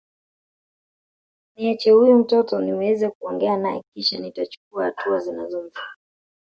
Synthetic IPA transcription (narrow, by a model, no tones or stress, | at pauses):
niɛt͡ʃɛhujum̩tɔtɔniwɛzɛkuɔŋɡɛanajɛkiʃanitat͡ʃu̥k̚uahatuazinazɔm̩vi